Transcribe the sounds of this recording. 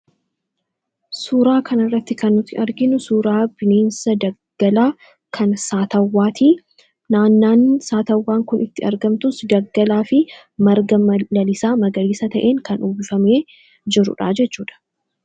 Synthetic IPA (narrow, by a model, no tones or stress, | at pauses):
suːɾaːkɐnɐrːɐt̪ːɪkɐnːʊt̪ʰːɪʔɐɾɡɪnʊsuːɾaːbɪneːnsɐd̪ɐɡ̥ɐlaː | kʰɐnsaːt̪ɐwːaːt̪iː | naːnːaːnsaːt̪ɐwːaːŋkʊnɪt̪ːɪɐ̰ɾɡɐmt̪ʊsd̪ɐɡːɐlaːfɪ | mɐɾɡɐlɐlɪsaːmɐɡɐliːsɐt̪ɐʔeːŋkɐnuːbɪfɐmeː | d͡ʒɪɾʊ̰ᶑa̰ːd͡ʒɛt͡ʃːuːᶑɐ̥